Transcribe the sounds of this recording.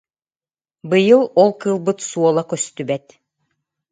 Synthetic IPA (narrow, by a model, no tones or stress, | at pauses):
bɯjɯlˠɔlˠkɯːlˠbɯt̪suɔlˠakœst̪ybɛt̪